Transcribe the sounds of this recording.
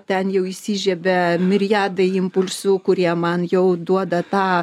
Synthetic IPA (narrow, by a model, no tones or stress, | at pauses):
t̪ʲɛnjɛʊisʲiːʒʲɛbʲɛmʲɪɾʲɪjæːd̪ɐɪɪmpʊlʲsʊkʊɾʲiɛmɐnjɛʊd̪uɔd̪ɐt̪ɑː